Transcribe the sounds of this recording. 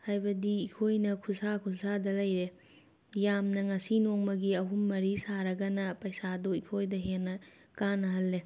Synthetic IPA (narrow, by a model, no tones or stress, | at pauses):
hajbɐdiːkʰojnɐkʰusakʰulsadɐlɐjɾe | jamnɐŋɐsinoŋmɐɡiɐɦumːɐɾisaɾɐɡɐnɐpɐjsadoikʰojdɐɦenːɐ | kanːɐɦɐlːe